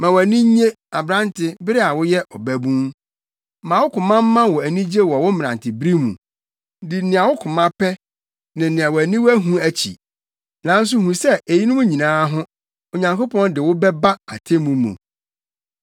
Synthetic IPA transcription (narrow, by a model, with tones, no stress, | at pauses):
mã˨wæ˨nĩ˦ɲẽ˦ | a˨bɾã˦ntʰɪ˦bɪ˦ɾɪ˦a˨wʊ˦jɛ˦ʔɔ˨bæ˦bũ˦n | mã˨wʊ˦kʊ̃˨mã˦m̩˦mã˦wɔ˨æ˨nĩ˦d͡ʑe˦wɔ˨wʊ˦m˦m˨ã̰˨ntɪ˨bɾi˦mṵ̃˨˦ | dɪ˨˦nɪ̃˨a˨wʊ˦kʰʊ˨mã˦pʰɛ˦ | nɪ̃˨nɪ̃˨a˨wɔ˨æ˨nĩ˦wæ˦ɦũ˦æ˦t͡ɕʰḭ˨ | nã˨˦n̩˦s̬ʊ˦ɦũ˨sɛ˦e˨ji˦nʊ̃˦mũ˦ɲĩ˨nãː˦ɦʊ̃˦ | o˨ɲã˨ŋko˦pɔ̃˦ndɪ˨wʊ˦bɛ˦ba˦a˨tʰe˦mũ˨mṵ̃˨